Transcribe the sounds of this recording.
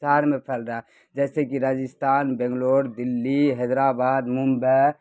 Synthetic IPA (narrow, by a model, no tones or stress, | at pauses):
aɾmepʰɛlɾaɛ | d͡ʒɛːsekiɾad͡ʒist̪ʰaːnbɛ̃ŋɡloɽd̪ilːiɦɛd̪ɾabad̪mumbe